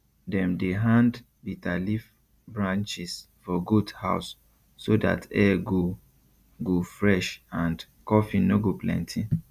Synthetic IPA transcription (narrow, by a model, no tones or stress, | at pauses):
dɛ̃mdeɦãnd | bitalif | bɹãnt͡ʃis | fɔɡudha̰ʊsː | oda̰tɛɡo | ɡofɹɛʃãnd | kɔfĩnoɡoplɛ̰̃ntʰĩ